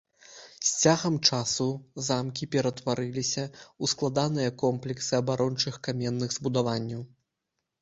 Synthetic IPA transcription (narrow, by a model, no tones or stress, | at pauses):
sʲt͡sʲaɣɐmt͡ʂasuzamkʲipʲɛɾɐt̪vaɾɨlʲisʲɐusklˠad̪an̪ɨjɐkɔmplʲɛksɨɐbaɾʔɔnt͡ʂɨxkamʲɛnːɨɣzbud̪avanʲːɐw